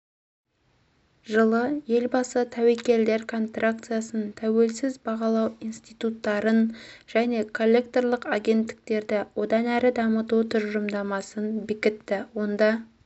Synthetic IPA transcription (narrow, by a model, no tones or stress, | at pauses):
ʒəlˠəje̞lbɑsət̪ʰæwekʲe̞ld̪e̞ɾkʰo̞nst̪rak̚t̪sɨjasənt̪ʰæwe̞lsɪzbɑʁɑlˠɑwinst̪ijt̪ut̪ːɑɾənʒ̥æne̞kʰo̞lʲːe̞k̚t̪o̞rlˠəqaɡʲe̞nt̪ːɪ̥k̚t̪e̞ɾd̪ɪwo̞d̪ɑnæɾɪd̪ɑmət̪ut̪ʰʏɾʒəmd̪ɑmɑsənbɪkʲɪt̪ːɪwo̞nd̪ɑ